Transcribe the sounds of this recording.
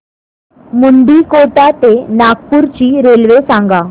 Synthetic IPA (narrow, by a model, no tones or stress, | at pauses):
muɳɖikoʈ̪at̪enaɡ̚puɾt͡ɕiːɾelʋesãŋɡa